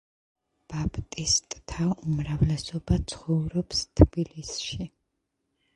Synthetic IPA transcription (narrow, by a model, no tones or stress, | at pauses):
b̥abt̪ʼist̪ʼt̪ʰaumɾavlɛsɔbat̪sʰχɔvɾɔpst̪ʰb̥ilisʃi